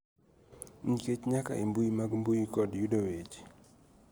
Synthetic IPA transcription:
ɲ̩ket͡ʃɲaka̰ʔembujimaɡmbujikɔdjudowet͡ʃ

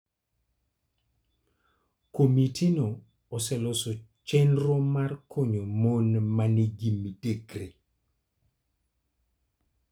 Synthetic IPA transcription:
komitinoː | sɛlosot͡ʃɛnɾomarkʰoɲomonmaniɡimidekɾe

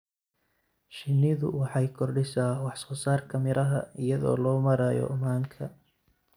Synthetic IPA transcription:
ʃɪnːɪðʊ̰wɑħɑjkʰɔrɖɪsaːwɑħsɔːsaːrkʰɐmɪɾʔɐɦɐ̰ɪjɐðɔ̰ːlɔːmɐɾajɔ̰maːŋkʰɐ

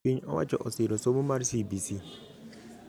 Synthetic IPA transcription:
iɲɔwa̰d͡ʒɔʔɔsiɾɔsomumaɾsibisi

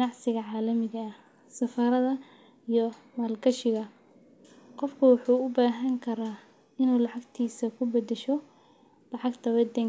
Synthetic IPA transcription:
nɑʕsɪɣɐʕɑːlɐmɪɣɐ | sɐfɐɾɐðɐ | ijɔ | mɐːlɡɐʃɪɣɐ | qɔfkʰʊwɑħuːʊbaːɦɐŋkʰɐɾaː | ɪnuːlɑʕɑɡt̪ʰiːsɐkʰʊbɐd̪ɛʃɔ | lɑʕɑɡt̪ʰɐβɛd̪ɛŋ

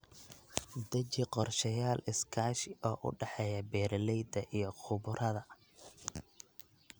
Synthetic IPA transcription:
d̪ɐt͡ʃɪqɔrʃɐjaːlɪskʰaːʃɪʔɔːʔʊ̰ɖɛħɛjɐbɛːɾlɛjd̪ɐʔijɞqʰʊβʊɾʔɐðɐ

